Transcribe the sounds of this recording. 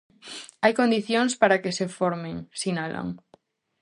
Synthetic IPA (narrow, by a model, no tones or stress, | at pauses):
ajkond̪iθjoŋspaɾakesefoɾmeŋsinala̰ŋ